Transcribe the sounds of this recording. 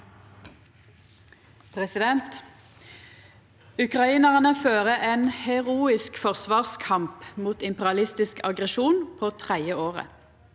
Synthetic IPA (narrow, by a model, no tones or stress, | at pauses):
pʰʁɛsɪd̪ɛnt̪ | ʉkʁɑiːnəʁnəføːʁəʔeːnhɛʁuːɪskfɔʁsʋɑːʁskʰɑmpmuːt̪ɪmpɛʁɪɑlɪst̪ɪskʰɑ̰ɡʁɛʃuːnpʰoːt̪ʰʁæɪəoːʁə̰